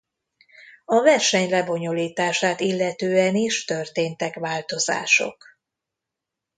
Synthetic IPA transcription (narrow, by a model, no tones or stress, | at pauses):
ɒvɛrʃɛɲlɛbo̞ɲo̞liːt̪aːʃaːt̪ilːɛt̪øːɛniʃt̪ø̞rt̪eːnt̪ɛkʋaːlt̪o̞za̰ːʃo̞̰k